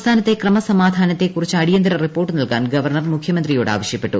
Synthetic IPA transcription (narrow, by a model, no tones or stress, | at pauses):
st̪ʰaːnɐt̪ːe̞krɐmɐsɐmaːd̪ʱaːnɐt̪ːekːurit͡ɕːɨɐɽijɐnd̪ɐɾɐripːoːrʈːɨnɐlkaːnɡɐʋɐrɳɐrmukʰjɐmɐnd̪rijo̞ːɽa̰ːʋɐɕjɐpːe̞ʈːṵ